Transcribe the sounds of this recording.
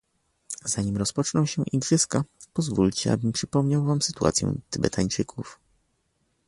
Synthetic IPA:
z̥aɲimɾɔspɔt͡ʂnɔw̃ɕɛʔiɡʐɘskapɔzvulʲt͡ɕɛa̰bɘmpʂɘpɔmɲawvamsɘt̪ua̰t̪sʲjɛ̰̃t̪ɘbɛ̰t̪ʰaɲt͡ʂɘkʰuf

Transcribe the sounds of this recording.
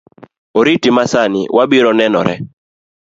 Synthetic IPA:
oɾitimasanɪ̰wʔabiɾɔnɛnɔ̰ɾɛ̰

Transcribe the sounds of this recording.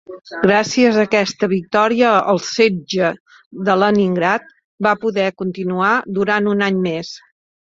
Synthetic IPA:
ɡɾasiəzəkɛst̪əβik̚t̪ɔɾiəəlˠsed͡ʒə | ðələniŋɡɾat̪̚ | bapuðɛkunt̪inuad̪uɾanunaɲmes

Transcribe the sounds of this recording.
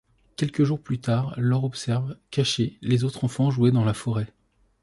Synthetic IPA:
kʲɛlkəʒuʁplyt̪aʁlɔʁɔpsɛʁvkʲaʃelezot̪χɑ̃fɑ̃ʒuwed̪ɑ̃lafɔʁɛ

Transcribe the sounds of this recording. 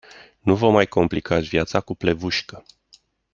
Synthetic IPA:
nuvəmajko̞mplikʰat̪sʲvjat̪sakuple̞vuʃkə

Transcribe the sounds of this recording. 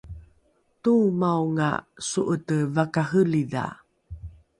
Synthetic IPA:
tumawŋa̰suʔətəvakaɦəliða̰

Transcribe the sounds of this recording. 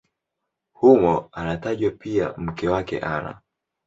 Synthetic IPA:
humɔanataʄwapia̰m̩kɛwakɛ̰ʔaɾa̰

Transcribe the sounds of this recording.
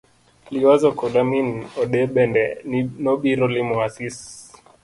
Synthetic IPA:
liwazɔkɔɗaminɔɗɛɓɛndɛnnɔɓiɾɔlimɔasis

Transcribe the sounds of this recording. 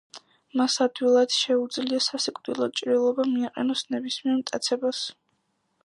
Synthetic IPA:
masad̪̥wilˠad̪̥ʃɛud̪zliasasikʼd̪ilˠɔt͡ʃʼɾilˠɔbamiaqʼɛ̰nɔsnɛbismiɛɾmt̪ʼat̪sʰɛbas

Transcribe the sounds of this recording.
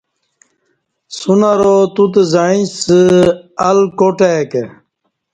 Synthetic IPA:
sunaɾot̪ut̪ezaĩsəɐlkoʈeke

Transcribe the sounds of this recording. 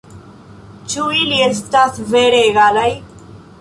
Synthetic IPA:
t͡ʃuiliest̪asveɾeːɡalaj

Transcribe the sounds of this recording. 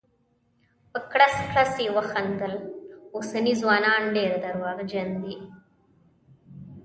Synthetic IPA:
pəkɽaskɽasewaxand̪alosanizwɑːnɑːnɖeɾad̪aɾwɑːɣd͡ʒand̪i

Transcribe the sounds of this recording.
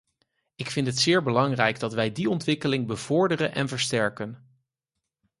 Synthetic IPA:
ɪkfɪntɦətsɪːɹbəlɑŋrɛjɡdɑtʋɛjdiɔntʋɪkəlɪŋbəv̥ʊɹdərənʔɛ̰nvəɹstɛɹkən

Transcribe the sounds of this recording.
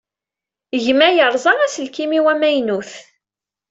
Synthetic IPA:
ʝmæjəɾˤzˤɑʁæsəlkimiwæmæjnuθ

